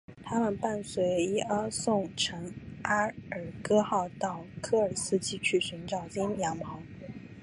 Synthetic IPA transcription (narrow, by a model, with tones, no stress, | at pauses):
t̪ʰa˥mə˨npa˥˩nswe˧˥ɪi˥ə˥sʊ˥˩ŋʈ͡ʂʰɤ˧˥ŋa˥ə˞˨˩kɤ˥xɑ˥˧ʊt̪ɑ˥˩ʊkʰɤ˥˩ə˞˨˩sɹ̩˥t͡ɕʰi˥˧t͡ɕʰy˥˩ɕy˧˥nʈ͡ʂɑ˨˩ʊt͡ɕi˥njɑ˧˥ŋpʰɑ˧˥ŋ